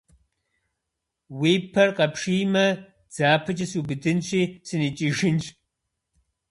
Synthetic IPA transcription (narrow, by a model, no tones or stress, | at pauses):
wiːpʰɐrqɐpʰʂijmɐ | d͡z̥aːpʰɨt͡ʃʼɐsubɨdɨnɕʷʼiːsɨnit͡ʃʼiʒɪnt͡ʃʼ